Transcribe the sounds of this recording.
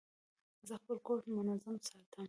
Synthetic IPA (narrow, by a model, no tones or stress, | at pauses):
zəxpəlkoʈmʊnazamsɑt̪ʰəm